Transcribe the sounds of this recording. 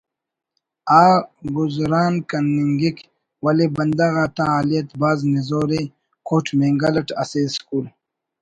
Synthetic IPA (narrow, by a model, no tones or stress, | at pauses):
aːɡuzɾaːnkɐnːiŋɡik | wɐlebɐnd̪ɐɣaːt̪ãaːlijɐt̪baːznizoːɾe | kʰoːʈʰmẽːŋɡɐlɐʈɐseːskuːl